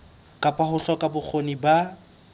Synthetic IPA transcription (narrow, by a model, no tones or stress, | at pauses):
kʼapʼahʊɬɔkʼabʊk͡xʰoniba